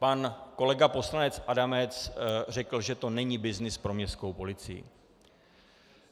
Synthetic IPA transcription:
panko̞lɛɡapo̞slanɛt͡sʔadamɛt͡sr̝ɛkl̩ʒɛt̪o̞nɛɲibɪznɪspɾo̞mɲɛst̪̚ko̞wpo̞lɪt͡sɪjḭ

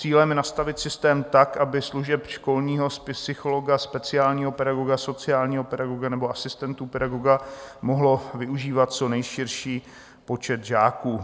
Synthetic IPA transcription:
t͡siːlɛmjɛnast̪avɪt̪sɪst̪ɛːmt̪akʔabɪsluʒɛpʃko̞lɲiːɦo̞sɪsɪxolo̞ɡaspɛt͡sɪaːlɲiːɦo̞pɛɾaɡo̞ɡaso̞t͡sɪaːlɲiːɦo̞pɛdaɡoɡanɛboʔasɪst̪ɛnt̪uːpɛdaɡoɡamoɦlo̞vɪʔuʒiːvat̪̚t͡so̞nɛjʃɪɾʃiː | po̞t͡ʃɛt̪ʒaːkuː

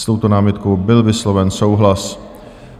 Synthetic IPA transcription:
st̪o̞wt̪o̞naːmɪt̪kowbɪlvɪslovɛnso̞wɦlas

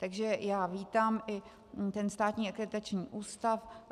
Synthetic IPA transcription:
t̪aɡʒɛjaːviːt̪aːmʔɪ | t̪ɛnst̪aːt̪ɲiːʔakɛt̪ɾat͡ʃɲiːʔuːst̪af

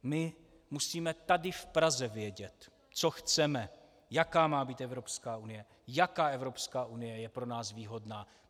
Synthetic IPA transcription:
mɪ | musiːmɛt̪adɪfpɾazɛvjɛɟɛt̪ | t͡soxt͡sɛmɛ | jakaːmaːbiːt̪ɛvɾopskaːunɪjɛ | jakaːɛvɾo̞pskaːʔunɪjɛjɛpɾo̞naːsviːɦo̞dnaː

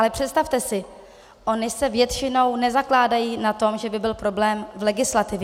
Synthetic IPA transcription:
alɛpr̝̥ɛt̪st̪aft̪ɛsɪ | ʔo̞nɪsɛvjɛt̪t͡ʃɪno̞wnɛzaklaːdajiːnat̪o̞mʒɛbɪbɪlpɾo̞blɛːmvlɛɡɪslat̪ɪvjɛ

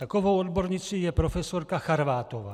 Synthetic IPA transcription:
t̪ako̞vowodbo̞ɾɲɪt͡siːjɛpɾofɛso̞ɾkaxaɾvaːt̪ovaː

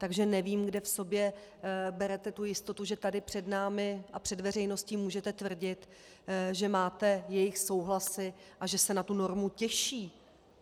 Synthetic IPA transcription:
t̪aɡʒɛnɛviːmɡdɛfso̞bjɛbɛɾɛt̪ɛt̪ujɪst̪o̞t̪uʒɛt̪adɪpr̝̥ɛdnaːmɪʔapr̝̥ɛdvɛr̝ɛjno̞sciːmuːʒɛt̪ɛt̪vr̩ɟɪt̪ | ʒɛmaːt̪ɛjɛjɪxso̞wɦlasɪʔaʒɛsɛnat̪uno̞ɾmucɛʃiː

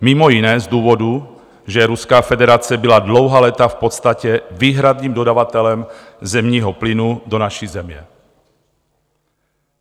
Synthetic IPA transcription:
mimɔjinɛːzd̪uːvɔd̪u | ʒɛɾuskaːfɛd̪ɛɾat͡sɪɛbilad̪lɔʊɦaːlɛt̪afpɔt̪st̪acɛviːɦɾad̪niːmd̪od̪aʋat̪ɛlɛm | zɛmɲiːɦɔplinud̪onaʃizɛmjɛ̰

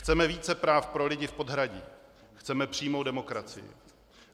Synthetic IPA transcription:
xt͡sɛmɛviːt͡sɛpɾaːfpɾo̞lɪɟɪfpo̞dɦɾaɟiː | xt͡sɛmɛpr̥iːmowdɛmo̞kɾat͡sɪ̰jɪ̰

